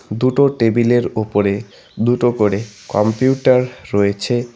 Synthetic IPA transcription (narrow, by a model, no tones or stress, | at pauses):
d̪uʈoʈebileɾupoɾe | d̪uʈokoɾekɔmpjuʈaɾːɔjet͡ɕʰe